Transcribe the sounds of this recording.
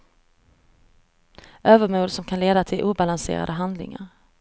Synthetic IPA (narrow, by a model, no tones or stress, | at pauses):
ʔøːvəɾmuːd̪sɔmkʰanleːd̪at̪ʰɪlʔuːbalansḛːɾa̰d̪əɦand̪lɪ̰ŋa̰ɾ